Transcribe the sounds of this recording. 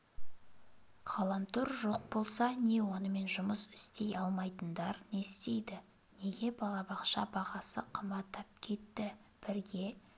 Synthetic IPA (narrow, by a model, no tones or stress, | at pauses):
qʰɑlˠɑmt̪ʰʊɾʒo̞q̚bo̞lˠsɑne̞wo̞nəme̞nʒʊməsɪ̥st̪e̞jɑlˠmɑjt̪ənd̪ɑɾne̞st̪e̞jd̪ɪ | ne̞ɡʲe̞bɑlˠɑbɑqʃɑ̰bɑʁɑsəqʰəmbɑt̪ːɑp̚kʲʰe̞t̪ːɪb̥ɪɾɡʲe̞